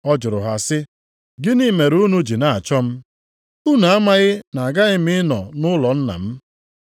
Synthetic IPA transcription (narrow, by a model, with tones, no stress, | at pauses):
ɔ˦d͡ʒʊ˨ɾʊ˨ɦa˨sɪ˦ | ɡɪ˦ni˦me˨ɾu˦nu˦d͡ʒi˨na˨a˨t͡ʃɔ˦m̩˦ | u˦na˨a˦ma˦ɣɪ˦na˨a˨ɡa˦ɣɪ˦mɪ˦nɔ˨nʊ˦lɔ˨n̩˦na̰˨m̩˦